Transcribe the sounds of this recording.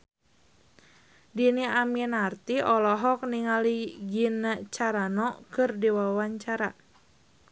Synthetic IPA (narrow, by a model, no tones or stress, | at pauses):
diniamiɛnart̪iɔlɔɦɔk̚niŋaliɡinat͡ʃaɾanɔkɨrdiwawaɲt͡ʃaɾa